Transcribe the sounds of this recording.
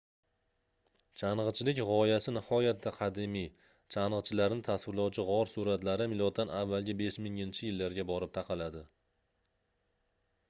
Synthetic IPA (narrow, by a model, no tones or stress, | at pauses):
t͡ʃʰanʁɨt͡ʃʰɪlɪkʲʁɒjasɪnɪhɒjat̪ːaqʰɑd̪ɪmij | t͡ʃʰanʁɨt͡ʃʰɪlaɾnɪt̪ʰasvɪɾlɒwt͡ʃʰɪʁɒɾsuɾat̪laɾɪmɪlɒt̪̚ʰːanavːalɡʲɪbe̞ʃmɪŋɪnt͡ʃʰɪjɪlːaɾɡʲabɒɾɪp̚t̪ʰɑqʰɑlad̪ɪ